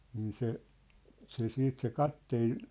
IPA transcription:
niːn se se siːt se kɑtːeːn

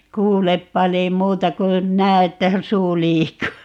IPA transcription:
kuːlep pɑliː muːtɑ kun næː etːæ suː liːkːuː

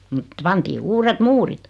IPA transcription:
mŭt pɑntiː uːret muːrit

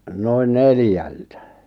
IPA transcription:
noin neljæltæ

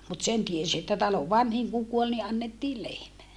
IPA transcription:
mut sen tiesi etːæ tɑloʋ ʋɑnhiŋ kuŋ kuol ni ʔɑnːetːiː lehmæ

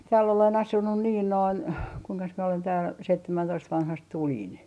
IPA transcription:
tæːlː olen ɑsunːu niːn noin kuiŋkɑs mie olen tæːl seitːæmæntoist ʋɑnhɑst tulʲin

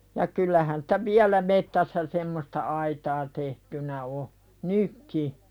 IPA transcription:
jɑ kylˑæhæn sĭ̥tæ ʋiælæ metːæsːæ semːostɑ ɑitɑː tehtynæ o nykːi

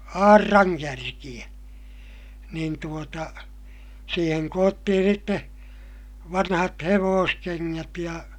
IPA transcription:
ɑːrːɑŋkærkij̆æ niːn tuotɑ siːheŋ koːtːihin̞ sitːe ʋɑnhɑt heʋoːskeŋːæt jɑ

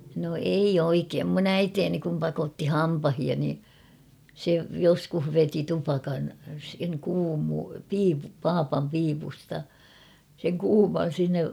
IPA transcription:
no eij oikeːm mun æiteːni kum pɑkotːi hɑmpɑhiɑ ni se joskuh ʋeti tupɑkɑn seŋ kuːmupiːpu pɑːpɑm piːpustɑ seŋ kuːmɑn̞ sinːej

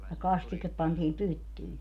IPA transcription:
jɑ kɑstikep pɑntiːm pytːyi

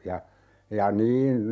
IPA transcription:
jɑ jɑ niːn

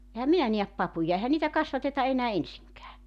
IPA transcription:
ehæm minæ niæp pɑpujɑ ehæ niːtæ kɑsʋɑtetɑ enæː ensiŋkæː

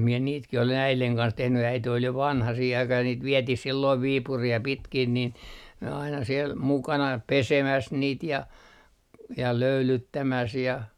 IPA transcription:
mie niːtkih olen æileŋ kɑns tehny æite ol jo ʋɑnhɑ siːh ɑikɑh jɑ niːt ʋietih silːoiʋ ʋiːpuriː jɑ pitkin nin n ɑinɑ siel mukɑnɑ pesemæs niːt jɑ jɑ løylytːæmæs jɑ

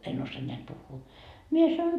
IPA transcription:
en osːoɑ neæt puhːuː mie sɑnon

